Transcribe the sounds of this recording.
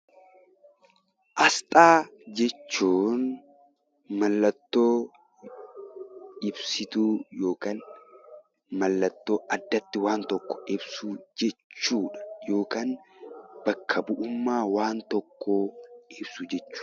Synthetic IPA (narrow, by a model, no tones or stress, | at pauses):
ʔɐst̪ʼaːd͡ʒɛt͡ʃːuːn | mɐlːɐt̪ːoː | ɪbsɪt̪uːjo̞ːkaːn | mɐlːɐt̪ːo̞ːʔɐd̪ːɐt̪ːɪwaːnt̪ɔkːɔ̥ʔɪbsud͡ʒɛt͡ʃːuːᶑɐ̥jo̞ːkaːnb̥ɐkʰːɐbʊʔʊmːaːwaːnt̪ɔkːoːɪbsud͡ʒɛt͡ʃːu̥ː